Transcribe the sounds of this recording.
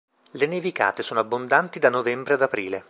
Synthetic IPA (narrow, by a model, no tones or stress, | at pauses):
lenevika̰ːt̪esoːnoabːond̪ant̪id̪anovɛmbɾead̪apɾiːle